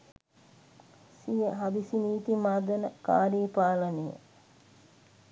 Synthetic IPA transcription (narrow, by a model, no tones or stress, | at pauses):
sijəɦabisiniːt̪imaːd̪ənəka̰ːɾiːpaːlənejə̰